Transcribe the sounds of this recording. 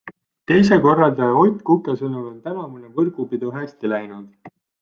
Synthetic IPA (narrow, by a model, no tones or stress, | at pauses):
t̪e̞jse̞ko̞rːɑld̪eo̞jt̪ˑkukːesɤnulo̞nt̪ænɑmunevɤrɡ̥upid̪̥uɦæst̪ilæjnud̪̥